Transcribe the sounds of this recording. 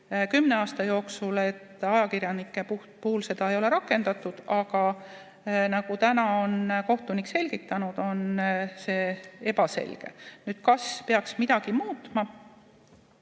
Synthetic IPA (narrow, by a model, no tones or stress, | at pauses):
kymne̞ɑːst̪ɑjo̞ːksule̞t̪ːɑjɑkirjɑnikːˑe̞pu | puhulse̞d̪ɑe̞jo̞leɾɑkːˑe̞nd̪ɑt̪ːˑud̪̥ɑɡ̥ɑ | nɑɡ̥ut̪ænɑo̞nko̞ht̪unikse̞lʲɡ̥it̪ːˑɑnud̪̥o̞nse̞ːe̞bɑse̞̰lʲɡ̥e̞̰nyːd̪̥kɑspe̞ɑksmid̪̥ɑɡ̥imuːt̪mɑ